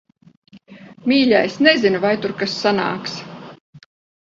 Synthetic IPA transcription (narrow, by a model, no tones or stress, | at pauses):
mʲiːʎʲajsnezinuvajt̪uɾkasːana̰ːks